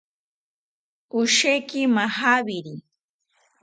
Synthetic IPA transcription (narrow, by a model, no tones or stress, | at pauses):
ʊʃejkɪmahabɪɾi